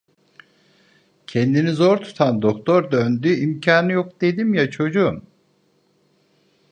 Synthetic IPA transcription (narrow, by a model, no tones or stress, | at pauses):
cʰɛnd̪inizo̞ɾt̪ʰu̥t̪ʰand̪o̞kt̪ʰo̞ɾd̪ønd̪yimcʰaːnɯjok̚d̪̥e̞d̪imjat͡ʃʰo̞d͡ʒum